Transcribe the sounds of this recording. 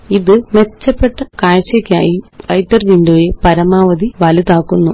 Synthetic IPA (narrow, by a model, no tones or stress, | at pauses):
iðɨme̞t͡ɕːɐpːe̞ʈːɐkaːɻɕekʲːɐjʈːɐrʋindoːjepɐɾɐmaːʋɐd̪iʋɐlit̪aːkːunːu